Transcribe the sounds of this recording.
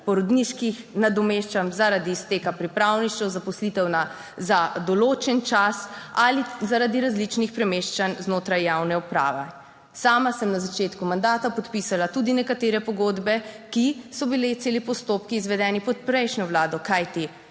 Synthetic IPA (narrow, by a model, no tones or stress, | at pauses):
pɔɾɔd̪niʃkixnad̪ɔmeːʃt͡ʃamzaɾad̪iːst̪eːkapɾipɾawniʃt͡ʃɛwzapɔslit̪ɛwna | zad̪ɔloːt͡ʃɛnt͡ʃasalizaɾad̪iɾazlit͡ʃnixpɾɛmeʃt͡ʃanznoːt̪ɾajːawnɛupɾa̰ːʋɛ | saːmasəmnazat͡ʃeːt̪kumand̪aːt̪apɔt̪pisalat̪ud̪inɛkat̪eːɾɛpɔɡoːd̪bɛkisɔbilet̪seːlipɔst̪opkiːzʋɛd̪ɛːnipɔt̪̚pɾɛjʃnɔwlaːd̪ɔkajt̪i